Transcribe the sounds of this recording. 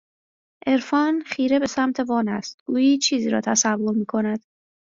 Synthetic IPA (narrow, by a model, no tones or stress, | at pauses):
ʔe̞ɾfɒːnχiːɾe̞be̞sæmt̪ʰe̞vɒːnæst̪̚ɡ̥uːjiːt͡ʃʰiːziːɾɒ̰ːt̪ʰæsævːo̞ɾmiːkʰo̞næd̪̥